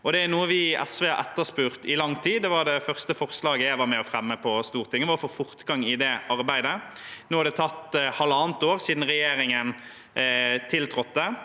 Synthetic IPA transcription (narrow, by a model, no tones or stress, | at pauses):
ɔd̪ɛæɾnuːəʋɪɛ̰sʋɛːɑʔɛ̰t̪ːəspʉːʁt̪ɪlɑŋt̪ʰiːd̪ɛʋɑɾd̪ɛfœʁst̪əfɔʁslɑːɡəjæɪʋɑɾmɛɔfɾɛmːəpʰɔst̪uːʁt̪ʰɪŋːəʋɑːɔfoːfʊɾt̪ɡɑŋːɪd̪ɛʔɑɾbæɪd̪ə | noːhɑɾd̪ɛt̪ʰɑt̪ːhɑlːɑːnt̪oːʁsiːd̪n̩ʁɛjeːɾɪŋən | t̪ʰɪlt̪ʰɾɔt̪̚ːd̪ɛ